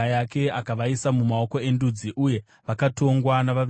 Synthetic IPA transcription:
jake̞akaʋaisamumao̞ko̞e̞ndud͡ziʔuje̞ | ʋakato̞ŋɡwanaʋaʋ

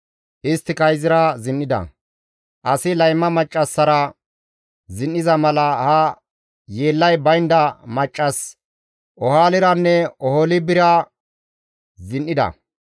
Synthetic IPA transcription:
ʔɪst̪ːɪkɐjzɪɾɐzɪnʔːɪd̪ɐ̰ | ʔɐsɪlɐjmːɐmɐt͡ʃʼːɐsːɐɾɐ | zɪnːɪzɐmɐlɐhɐ | jeːlːɐjbɐjnd̪ɐmɐt͡ʃʼːɐs | ʔɔhaːlɪɾɐnːɛɔhɔlɪbɪɾɐ | zɪnʔɪd̪ɐ̰

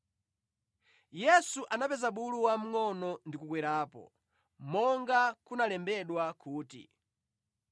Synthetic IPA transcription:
jɛsuʔanapɛzaɓuluwam̩ŋɔnɔndikukwɛɾaːpɔ̰ | mɔŋɡakunalɛmbɛɗwakʰuːtḭ

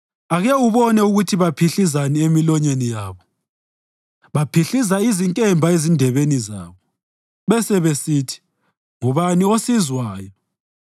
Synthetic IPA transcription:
aɣɛuβɔnɛuɣutʰiβapʰiɬizaniemilɔɲenijaːβɔ | βapʰiɬizaiziŋkʼɛmbʱaezindʱɛβeniza̰ːβɔ | βɛsɛβesiːtʰi̥ | ŋuβaniosizwaːjɔ

